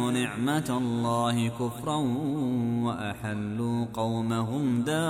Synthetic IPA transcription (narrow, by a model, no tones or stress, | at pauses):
nɪʕmatlˤːɑːhɪkʊfɾˤɑn | waʔaħalːuːqɑwmaɦʊmd̪aː